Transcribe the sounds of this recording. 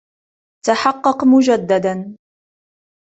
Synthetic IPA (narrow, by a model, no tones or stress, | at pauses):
t̪aħɑqːɑqmʊd͡ʒad̪ːad̪an